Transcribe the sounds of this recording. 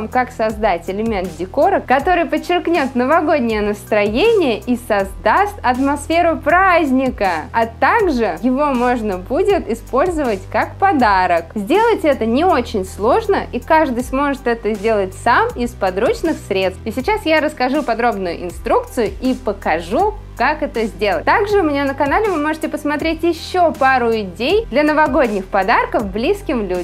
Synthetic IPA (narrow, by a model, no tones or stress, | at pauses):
mkaksɐzd̪atʲɪlʲɪmʲe̞nt̪̚dʲɪko̞ɾəkɐt̪o̞ɾɨjpət͡ɕːɪrknʲo̞t̪nəvɐɡo̞dʲnʲɪjənəst̪ɾɐjenʲɪjəʔisɐzd̪ast̪ɐt̪mɐsfʲe̞ɾʊpɾazʲnʲɪkəat̪aɡʐɨjɪvo̞mo̞ʐnəbudʲɪt̪ɪspo̞lʲzəvətʲkakpɐd̪aɾəkzʲdʲe̞lˠətʲɛt̪ənʲɪo̞t͡ɕɪnʲslˠo̞ʐnəʔikaʐd̪ɨjsmo̞ʐɨt̪ɛt̪əzʲdʲe̞lˠətʲsamɪspɐd̪ɾut͡ɕnɨxsɾʲet̪st̪ɪsʲɪt͡ɕasjaɾəskɐʐupɐd̪ɾo̞bnʊjʊ̰ʔɪnst̪ɾuk̚t̪sɨjʊipəkɐʐu | kakɛt̪əzʲdʲelˠə̰t̚ʲt̪aɡʐɨʊmʲɪnʲanəkɐnalʲɪvɨmo̞ʐɨtʲɪpəsmɐt̪ɾʲetʲjɪɕːo̞paɾʊɪdʲejd̪lʲɐnəvɐɡo̞dʲnʲɪxpɐd̪arkəfblʲiskʲɪmlʲudʲ